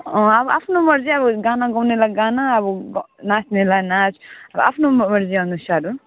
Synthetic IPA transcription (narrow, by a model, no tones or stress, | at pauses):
ɔ̃ʌbapʰnomʌɾziʌbɔɡanaɡʌwnelaɡanaːbuɡnasʰnelanat͡ʃʰʌba̰pʰnommʌɾziʌnusaɾu